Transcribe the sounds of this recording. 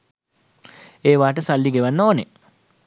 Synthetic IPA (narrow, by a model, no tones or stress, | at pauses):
eːʋaːʈəsalːiɡeʋanːoːnḛ